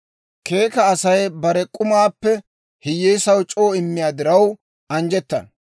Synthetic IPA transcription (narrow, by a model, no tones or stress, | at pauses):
ke̞ːkɐːsɐjbɐɾɛkʼʊmaːpːɛ | hɪjːeːsɐwt͡ʃʼoːɪmːɪjaːd̪ɪɾɐw | ɐnd͡ʒɛt̪ːɐ̰n